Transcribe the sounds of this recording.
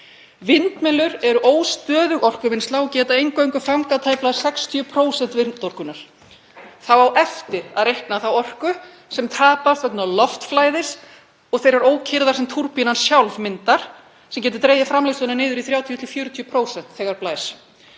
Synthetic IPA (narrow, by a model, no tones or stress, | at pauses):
vɪnt̪mɛnlʏɾɛɾʏʔoːwst̪œːðʏɣɔr̥kʏvɪnst̪laɣɔcɛːt̪aejŋkœɥŋkʏfawŋkat̪ʰaːjplaðsɛkst̪ʰiʏpʰɾoːwsɛnt̪vɪnnt̪ɔr̥kʏnaɾ̥ | θawawʔɛft̪ɪɾaðrejhknaθawɔr̥kʏ | sɛmt̪ʰaːpast̪vɛt̪nalɔft̪flaːjðɪs | ɔɣθejɾaɾoːwcʰɪɾðaɾsɛmt̪ʰuɾpijnansjawlvmɪnt̪aɾ̥ | sɛmcɛːt̪̬ɪ̥ɾt̪ɾeːjðafɾamlewst̪ʏnanɪːðʏɾiθɾjaːwt̪ʰijɔt̪ʰɪlfjœːɾʏt̪ʰyːpʰɾoːwsɛn̥t̪θɛːɣaɾplaːjs